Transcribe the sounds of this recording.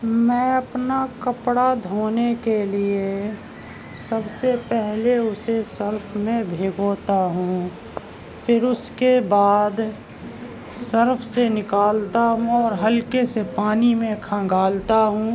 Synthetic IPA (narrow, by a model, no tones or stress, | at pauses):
mɛ̃ːɐpnakɐpɽad̪ʱoːnekelie | sɐbsepɛɦleʊsesɐɾpʰmẽbʱeːɡoːt̪aɦũː | fʰɪɾʊskebaːd̪ | sɐɾfʰsenɪkaːlt̪aɦũɔːɾɦɐlkesepaːnimẽkʰə̃ɡaːlt̪aɦũ